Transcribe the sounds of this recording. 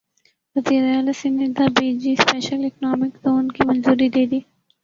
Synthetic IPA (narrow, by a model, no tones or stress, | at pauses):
ʋɐziːɾeaːlasɪnɪd̪abeːd͡ʒispɛːʃəlɪknɔːmɪkzoːnkimɐ̃nzuːɾid̪eːd̪iː